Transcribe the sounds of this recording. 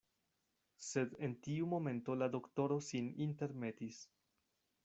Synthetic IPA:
se̞dentiumo̞me̞nto̞lado̞kto̞ɾo̞sininte̞ɾme̞tis

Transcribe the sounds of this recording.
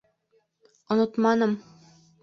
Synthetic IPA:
ŏnot̪mɑnɤm

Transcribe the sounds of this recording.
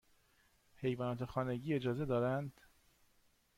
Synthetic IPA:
hʰe̞jvɒːnɒːt̪ʰe̞xɒːne̞ɟiːe̞d͡ʒɒːze̞d̪ɒːɾænd̪̥

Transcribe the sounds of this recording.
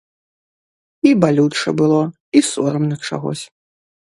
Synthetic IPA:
ibalʲut͡ʂɐbɨlˠɔ | isɔɾɐmnɐt͡ʂa̰ɣɔ̰sʲ

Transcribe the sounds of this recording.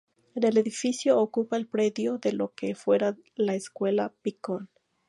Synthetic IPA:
enele̞ðifisjoːkupaelpɾe̞ðjo̞ðe̞lo̞kefwe̞ɾa | laeskwe̞lapikon

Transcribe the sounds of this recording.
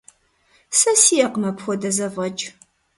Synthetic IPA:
sɐsijɛqmɐpxʷɔdɐzɐvʁɐt͡ʃʼ

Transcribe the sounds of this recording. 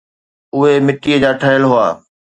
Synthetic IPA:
ʊɦemɪʈiːəd͡ʑaːʈʰəɦjəlɦʊa̰ː

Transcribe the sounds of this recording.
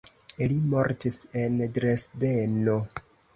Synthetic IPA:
ilimoɾtise̞ndɾesde̞no

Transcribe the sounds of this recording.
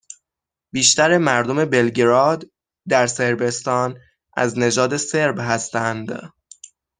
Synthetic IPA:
biːʃt̪æɾemæɾd̪o̞me̞belɟɾɒːd̪ | d̪æɾse̞ɾbe̞st̪ɒːn | ʔæ̰zne̞d͡ʒɒːd̪e̞se̞ɾbɦæst̪ænd̪

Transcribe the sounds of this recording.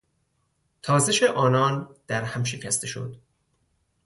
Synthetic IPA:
t̪ʰɒːzeʃeʔɒːnɒːnd̪̥æɾhæmʃe̞cʰæst̪e̞ʃo̰d̪̥

